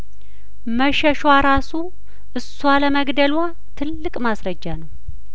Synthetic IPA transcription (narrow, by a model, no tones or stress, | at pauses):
məʃəʃwaɾasu | ʔɨsːwaləməɡd̪əlwa | t̪ʰɨlːɨkʼmasɾəd͡ʒːanəw